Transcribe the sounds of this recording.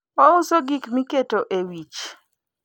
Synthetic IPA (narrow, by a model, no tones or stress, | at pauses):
oʊsoɡikmiketoʔewit͡ʃ